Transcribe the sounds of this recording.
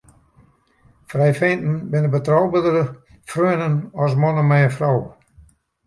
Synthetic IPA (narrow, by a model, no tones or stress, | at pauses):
frɛjfentn̩bɪnəbətrawbədərə | frøənənɔs̬mɔnəmɛjəfraw